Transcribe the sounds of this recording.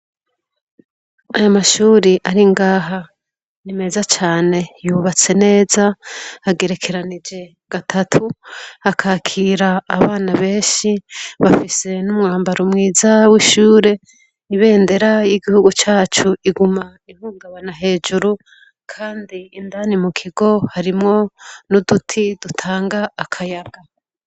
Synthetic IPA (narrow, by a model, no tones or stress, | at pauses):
ajomaʃuːɾiʔaɾiŋɡaːɦa | nime̞ːzat͡ʃaːne̞juβat͡se̞ne̞ːzaːɡe̞ɾe̞kʰe̞ɾanid͡ʒe̞ | ɡ̥atʰatʰuakʰaːkʰiːɾaːβaːnaβe̞ːnʃiβafise̞numŋaːmbaɾumŋiːzawiʃuːɾe̞ | iβe̞ːnde̞ɾajiɡihuɡut͡ʃaːt͡ʃuiɡuma | ihuːŋɡaβanaɦe̞ːd͡ʒuɾu | kʰaːndiːndanimukʰiɡo̞haɾimŋo̞nudutʰidutʰaːŋɡaːkʰajaɡ̥a